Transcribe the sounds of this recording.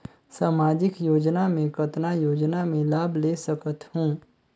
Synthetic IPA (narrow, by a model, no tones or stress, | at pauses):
saːmaːd͡ʒɪkjoːd͡ʒnamẽkət̪najoːd͡ʒnamẽlaːblesəkət̪hũː